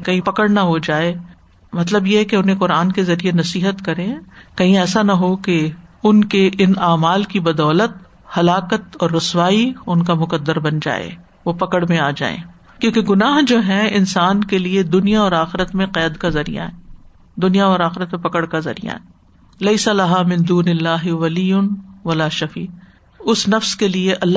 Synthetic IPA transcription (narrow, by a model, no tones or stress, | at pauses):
kɐɦĩpɐkəɽnɐɦod͡ʒaːe | mɐt̪̬ləbjeɦɛkeʊnɦẽqʊɾaːnkezɐɾienɐsiːɦət̪kɐɾẽkɐɦĩɛːsanɐɦokeʊnkeʔɪnaːmaːlkibɐd̪ɔːlət̪̚ | hɐlaːqət̪ɔːɾːʊswaːiʊnkamʊqəd̪ːəɾbɐnd͡ʒa̰ːḛː | ʋopɐkəɽmẽaːd͡ʒa̰ːḛ̃ː | kjõːkeɡʊnaːɦd͡ʒoːɦɛɪnsaːnkelied̪ʊnijaɔːɾaːxɪɾət̪mẽqɛːd̪kazɐɾḭja̰ɦɛː | d̪ʊnijaɔːɾaːxɪɾət̪mẽpɐkəɽkazɐ̰ɾḭja̰ɦɛː | lɐɪsɐlɐɦaːmɪ̃nd̪uːnɪlːaːɦɪʋɐlijʊnʋɐlaːʃɐfiː | ʊsnɐfskelieʔɐlː